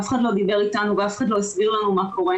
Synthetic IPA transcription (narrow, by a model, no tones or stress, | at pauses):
afχad̪lo̞d̪ibe̞ʁitanuveafχadlo̞isbiʁlanumako̞ʁe